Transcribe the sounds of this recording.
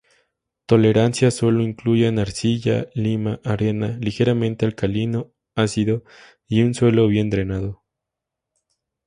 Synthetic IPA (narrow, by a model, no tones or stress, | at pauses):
t̪o̞le̞ɾansjaswo̞lo̞iŋkluʝenaɾsiʝa̰limaʔaɾe̞nalixe̞ɾamẽnt̪ealkalino | asiðo̞ | iunswe̞lo̞βje̞nt̪ɾe̞naðo̞